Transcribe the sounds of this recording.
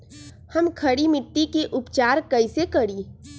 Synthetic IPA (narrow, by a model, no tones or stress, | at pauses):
həmkʰəɽimɪʈːikeʔʊpt͡ʃaːɾkəɪsekəɽiː